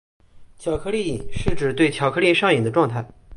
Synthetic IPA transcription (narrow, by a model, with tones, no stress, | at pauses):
t͡ɕʰjɑ˨˩ʊkʰɤ˥˧li˥˩i˨˩nʂɻ̩˥˩ʈ͡ʂɻ̩˨˩t̪we˥˩ɪt͡ɕʰjɑ˨˩ʊkʰɤ˥li˥˧˥ʂɑ˥˩ŋi˨˩d̪ə˦ʈ͡ʂwɑ˥˧ŋt̪ʰa˥˩ɪ